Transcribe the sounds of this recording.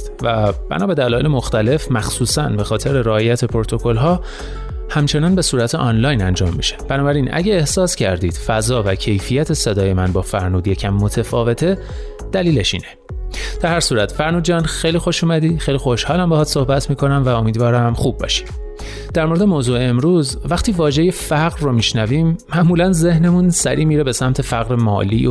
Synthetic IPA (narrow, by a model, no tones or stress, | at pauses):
væb̥æ̰nɒːbe̞d̪ælɒːjelemoxt̪æle̞fmæxsuːsænbe̞xɒːt̪ʰe̞ɾeɾɒːjæt̪ʰe̞pʰoɾot̪ʰo̞kʰo̞lɦɒː | hæmt͡ʃʰe̞nɒːnbe̞suːɾæt̪ʰeʔɒnlɒːjnænd͡ʒɒːmːiʃe̥b̥ænɒːbæɾinʔæ̰ɟeeːhsɒːscʰæ̰ɾd̪iːd̪̥fæzɒːvæcʰe̞jfijæt̪ʰe̞se̞d̪ɒːje̞mænbɒːfæɾnuːd̪je̞cʰæmːo̞t̪ʰefɒːve̞t̪ʰe̞ | d̪̥æliːle̞ʃḭːne | d̪̥æɾhæɾsuːɾæt̪ʰfæɾnuːd̪d͡ʒɒːnxejliːxo̞ʃuːmæd̪iːxejlixo̞ʃhɒːlæmbehɒːt̪so̞hbæt̪ʰmiːkʰo̞næmvæo̞miːd̪vɒːɾæmxub̚ːɒ̰ːʃi̥d̥ | d̪̥æɾmoɾee̞moːzuːeemɾuːz | væχt̪ʰiːvɒːʒe̞jefæɣɾːomiːʃnæviːmːæʔmuːlænze̞hne̞munsæɾiːmiːɾebe̞sæmt̪ʰe̞fæɣɾemɒ̰ːlḭːo